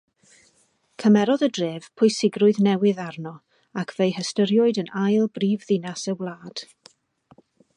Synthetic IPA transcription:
kʰəmɛɾɔðədreːv̥pʰʊɨsɪɡrʊɨðnɛwɨðarnɔ | akʰv̥ejhəstəɾjʊɨdənajlˠbriːvðɪnasəwlˠaːd̥

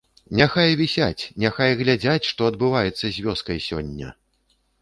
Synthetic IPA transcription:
nʲaxajvʲisʲa̰t͡sʲnʲaxajɣlʲad͡zʲat͡sʲʂt̪ɔɐd̪bɨvajɛt̪sːɐzʲvʲɔskɐjsʲɔ̰nʲːɐ̰

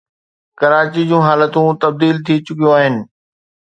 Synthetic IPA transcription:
kɐɾaːt͡ɕid͡ʑũːɦaːlət̪ũt̪ɐb̚d̪iːlt̪ʰit͡ɕʊkijõaːɦɪnɪ̆

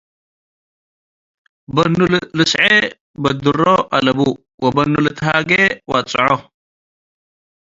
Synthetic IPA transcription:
bɐnːullɨsʕe | bɐd̪uroʔɐlɐbu | wɐbɐnːult̪ʰaːɡewat͡sʼɨʕo

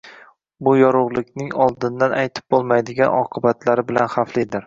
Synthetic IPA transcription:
bʊjɒɾʊʁlˠɪkʲnɪŋɒlˠd̪ɪnd̪anʔajt̪ʰɪ̥p̚bolˠmajd̪ɪɡʲanʔɒqʰɨbat̪ʰlaɾɪbɪlanχaflɪjd̪ɪɾ

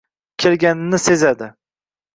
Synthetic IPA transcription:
kʲʰelɡʲanɪnɪsezad̪ɪ

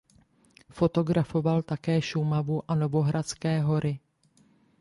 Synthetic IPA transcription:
fo̞t̪o̞ɡɾafo̞valt̪akɛːʃumavuʔano̞vo̞ɦɾat͡skɛːɦo̞ɾɪ

